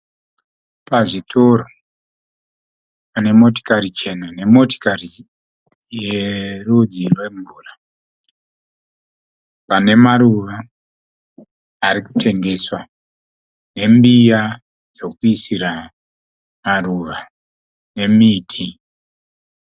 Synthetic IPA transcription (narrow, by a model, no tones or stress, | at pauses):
paʐitʰo̞ro | pane̞mo̞to̥karit͡ʃe̞nane̞mo̞to̥kari | jerud͡zirweɱvuːra | pane̞maruʋa | ɾiku̥te̞ŋɡe̞swa | ne̞mbija | d͡zo̞kuisiɾa | maruʋa | ne̞miːtʰi